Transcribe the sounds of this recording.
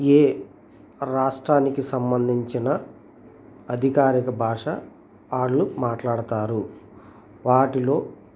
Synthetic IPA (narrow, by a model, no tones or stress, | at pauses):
eː | ɾaːʂʈɾaːnikisɐmbɐnd̪ʱiɲt͡ʃinɐ | ɐd̪ʱikaːɾikɐbʱaːʂɐ | aːɽːumaːʈlaːɽut̪aːɾu | ʋaːʈilo̞ː